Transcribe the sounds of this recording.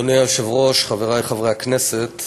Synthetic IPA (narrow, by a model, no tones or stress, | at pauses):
oneaʃɛvʁɔʃχavɛʁajχavʁaaknɛsɛt̪